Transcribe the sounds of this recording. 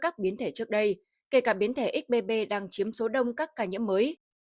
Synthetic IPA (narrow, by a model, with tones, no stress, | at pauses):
kaː˦˥k̚ɓi˨˦ənt̪ʰe˧˩t͡ɕɨ˦˥ək̚ɗə˧j | ke˧˩kaː˧˩ɓi˨˦ənt̪ʰe˧˩ʔi˦˥k̚ɓe˧ɓe˧ɗaː˧ŋt͡ɕi˨˦əmso˨˦ɗə˧wŋ͡mkaː˦˥kːaː˧˩ɲḭ˧˥əmːəː˨˦j